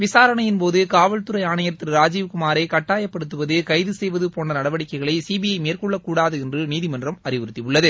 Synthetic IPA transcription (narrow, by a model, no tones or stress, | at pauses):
ʋɪsaːɾɐɳɐjɪnpoːðɯkaːʋɐɭt̪ɯɾɐɪaːɳɐjɐɾɐt̪ːɪrɾaːd͡ʒiːʋkʊmaːɾɐɪkɐʈːaːjɐpːɐɽɯt̪ːɯʋɐðɯkɐɪðɯsɛjʋɐðɯpoːnɐnɐɽɐʋɐɽɪkːɐɪɣɐɭɐɪsiːbɪjɐɪmeːrkɔɭːɐkːuːɽaːðɯɛndrɯniːðɪmɐndrɐmɐɾɪʋɯɾɯt̪ːiʋʊɭːɐðɯ